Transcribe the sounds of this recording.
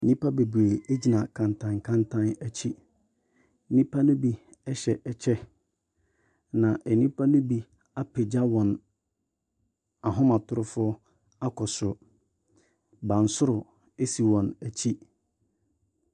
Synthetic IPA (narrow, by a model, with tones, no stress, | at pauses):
nĩ˦pʰa˦be˨bu˨e˨le˦d͡ʑi˨nã˨kʰã˨ntʰã˨ŋkʰã˦ntʰã˦næ˨t͡ɕʰi˦ | nĩ˦pʰa˦nʊ̃˦bi˦ | ɛ˦ɕɛ˨ʔɛ˨t͡ɕʰɛ˦ | nã˨ʔɛ˨nĩ˦pʰa˦nʊ̃˦bi˨ | a˦pʰɪ˨d͡ʑa˦wɔ̃˨n | a˨ɦʊ̃˦mã˨tʰʊ˦ɾʊ˦fʊ˦ | a˦kʰɔ˨sʊ˨ | bã˨n̩˨sʊ˦ɾʊ˨ | e˦si˨wɔ̃˨næ˨t͡ɕʰi˦